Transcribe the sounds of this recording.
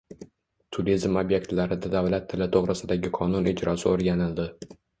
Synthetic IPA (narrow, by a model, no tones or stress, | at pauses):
t̪ʰʊɾizmobje̞k̚t̪laɾɪd̪ad̪avlat̪ʰːɪlɪt̪ʰoʁɾɪsɪd̪aɡʲɪqʰɒnʊnɪd͡ʒɾɒsɪoɾɡʲanɪld̪ɪ